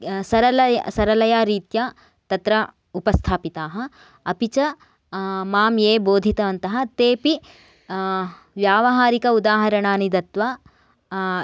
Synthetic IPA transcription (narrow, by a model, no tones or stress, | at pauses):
sɐɾɐlɐsɐɾɐlɐjaːɾiːt̪ja | t̪ɐt̪ɾɐ | upɐst̪ʰaːpit̪aːɦɐ̆ | ɐpit͡ʃɐ | maːmjeːboːd̪ʱit̪ɐʋɐnt̪ɐɦɐ̆t̪eːpi | ʋjaːʋɐɦaːɾikɐud̪aːɦɐɾɐɳaːnid̪ɐt̪ʋaː